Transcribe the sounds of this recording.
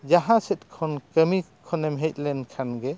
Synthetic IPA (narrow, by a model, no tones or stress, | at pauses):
d͡ʒaɦaset̚kʰɔnkəmi | kʰɔnemɦet̪̚lɛnkʰanɡe